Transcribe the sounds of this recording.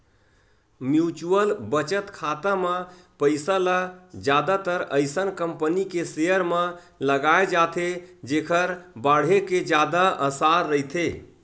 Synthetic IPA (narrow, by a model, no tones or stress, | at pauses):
mjut͡ʃuəlbət͡ʃət̪kʰat̪ame | pəɪsəlad͡ʒad̪at̪əɾəɪsənkəmpənikesejəɾme | ləɡaed͡ʒat̪ʰed͡ʒekʰəɾbaɽ̤eked͡ʒjad̪aəsaɾːəɦjt̪ʰe